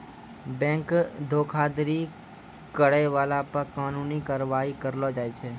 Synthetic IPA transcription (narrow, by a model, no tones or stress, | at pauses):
bɛ̃ːŋkd̪ʱoːkʰaːd̪ɾi | kəɽəʋaːlapəkaːnũːnikaːɾʋaːikəɾlod͡ʒaːet͡ʃʰeː